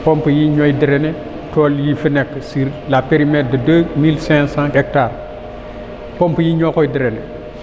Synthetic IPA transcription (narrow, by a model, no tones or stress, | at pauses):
pɔmpəjiɲɔjdiɾene | tɔljifənɛkːsiɾlapeɾimɛt̚dədəmilsɛ̃sãɛk̚taːɾ | pɔmpjiɲɔkɔjdiɾenɛ